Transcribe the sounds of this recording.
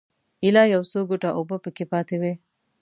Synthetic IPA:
ilaːjɐwsoːɡuʈaʔubəpəkepaːt̪ewe

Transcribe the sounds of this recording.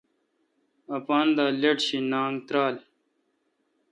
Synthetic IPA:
ɐpaːnd̪aːleʈɕinaːŋɡt̪ɾaːl

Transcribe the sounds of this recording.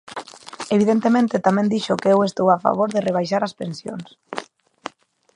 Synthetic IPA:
eβ̞iðent̪emẽnt̪et̪amɛ̃nd̪iʃʊkeewest̪owafa̰β̞oɾðɪreβ̞ajʃaɾaspensjo̰ns

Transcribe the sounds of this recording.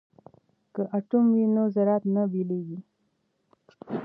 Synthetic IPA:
kəʔaʈumwinozaɾɑt̪nabileɡi

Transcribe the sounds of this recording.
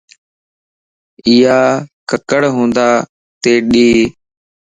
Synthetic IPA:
ɪːaːkəkəɽɦõːnd̪aː | t̪eːɗiː

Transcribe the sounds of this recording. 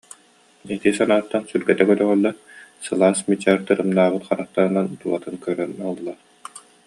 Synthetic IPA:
ɛt̪isanaːt̪ːansylɡɛt̪ɛkœlœʁœlːɛ | sɯlˠaːsmit͡ɕːɛɾt̪ɯɾɯmnaːʁɯt̪χaɾat̪aɾɯnant̪uat̪ɯnkœɾœnɔlˠːaɾ

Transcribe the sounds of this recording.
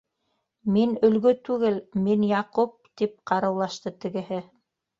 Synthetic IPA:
minɵ̆lɡɵt̪ʉɡɘlminjɑqup̚t̪ip̚qɑɾɤ̆wlˠɑʃt̪ɤt̪ɘ̆ɡɘ̆hɘ

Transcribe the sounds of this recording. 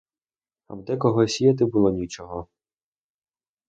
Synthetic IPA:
ɐ̰wd̪ɛkɔɦɔsʲijɐt̪̬ɪbulˠɔnʲit͡ʃɔɦɔ

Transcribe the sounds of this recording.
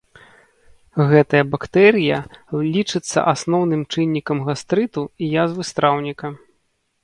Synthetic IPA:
ɣɛt̪ɐjɐbakt̪ɛɾʲɨjɐlʲit͡ʂɨt̪sːɐ̰ʔasnɔwnɨmt͡ʂɨnʲːikɐmɣast̪ɾɨt̪uijazvɨst̪ɾʔawnʲikɐ

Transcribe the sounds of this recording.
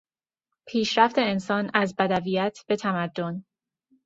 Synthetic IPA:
pʰiːʃɾæft̪e̞ːnsɒːnæzbæd̪ævijæt̪ʰb̥e̞t̪ʰæmæd̪ːo̞n

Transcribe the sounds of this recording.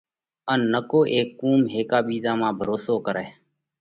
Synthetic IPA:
ənːəkoːʔeːkːuːmɦeːkaːɓiːzaːmãːbʱəɾoːsoːkəɾɛː

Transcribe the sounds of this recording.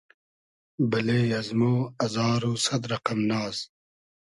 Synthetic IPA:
bɐleːjɐzmoːɐzɑːɾuːsɐd̪ɾɐqɐmnaːz

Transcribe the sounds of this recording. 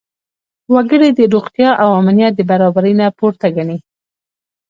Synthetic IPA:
waɡəɽed̪əɾoɣt̪jɑʔawamnijat̪̚d̪əbaɾɑbaɾəjnapoɾt̪aɡaɳi

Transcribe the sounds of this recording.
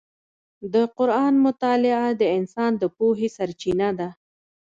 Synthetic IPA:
d̪əqʊɾɑnmʊt̪ɑlɪad̪əɪnsɑnd̪əpoɦesaɾt͡ʃinad̪a

